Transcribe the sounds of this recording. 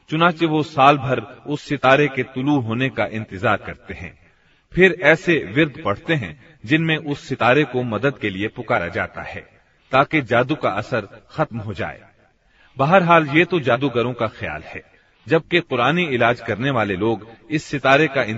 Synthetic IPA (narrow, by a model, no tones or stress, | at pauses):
t͡ʃʊnãːt͡ʃeʋosaːlbʱɐɾʊsːɪt̪aːɾeket̪ʊluɦoːnekaʔɪ̃nt̪ɪzaːɾkɐɾt̪eɦɛ̰̃ː | pʰɪɾɛːseʋɪɾd̪pɐɽ̤t̪eɦɛ̰̃ | d͡ʒɪnmẽʔʊsːɪt̪aːɾekomɐd̪əd̪keliepʊkaːɾa̰d͡ʒaːt̪a̰ɦɛ̰ː | t̪aːked͡ʒaːd̪uka̰ʔɐsəɾxɐt̪mɦod͡ʒa̰ːḛː | bɐɦəɾɦaːljet̪od͡ʒaːd̪uɡɐɾõkaxɪja̰ːlɦɛ̰ː | d͡ʒɐb̚keqʊɾaːniɪlaːd͡ʒkɐɾneʋaːleloːɡɪsːɪt̪aːɾekaɪ̃n